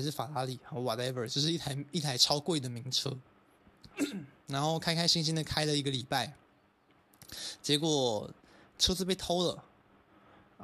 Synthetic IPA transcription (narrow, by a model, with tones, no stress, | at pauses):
ʂɻ̩˥˩fa˨˩la˧˥li˨˩a˧˩wɔ˨˩tɛ˦˥və˨˩t͡ɕjo˥˧ʊʂɻ̩˥˧i˥˩a˧i˥˩t̪ʰa˧˥ɪʈ͡ʂʰɑ˥ʊkwe˥˩ɪd̪ə˩mi˧˥ŋʈ͡ʂʰɤ˥ | ɻa˧˥nxo˥˧ʊkʰa˥ɪkʰa˥ɪɕi˥˧ŋɕ̬i˥nd̪ə˧kʰa˥ɪlə˨i˧˥ɡə˨li˨˩pa˥˩ɪ | t͡ɕjɛ˧˥kwɔ˨˩ | ʈ͡ʂʰɤ˥t͡sɹ̩˥˧p̬e˥˩ɪt̪ʰo˥ʊlə˨